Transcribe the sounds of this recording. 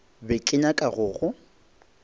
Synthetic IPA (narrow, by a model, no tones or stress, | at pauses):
bɪkʼɪɲakʼaɣʊːɣʊ